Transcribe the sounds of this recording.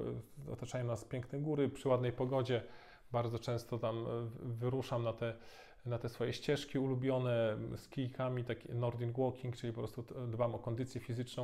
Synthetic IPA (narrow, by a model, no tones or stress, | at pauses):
ɔ̰t̪at͡ʂajɔ̃mnaspʲjɛŋknɛɡuɾɘpʂɘwad̪nɛjpɔɡɔd͡ʑɛ | baɾd̪zɔt͡ʂɛ̃w̃st̪ɔt̪amvɘɾuʂamnat̪ɛ | nat̪ɛsfɔjɛɕt͡ɕɛʂkʲiulubʲjɔnɛskʲijkʰamʲit̪akʲinɔɾd̪inɡwɔkʲiŋkt͡ʂɘlʲipɔpɾɔst̪ud̪bamɔkɔnd̪ɘt̪sʲjɛfʲizɘt͡ʂnɔ̃w̃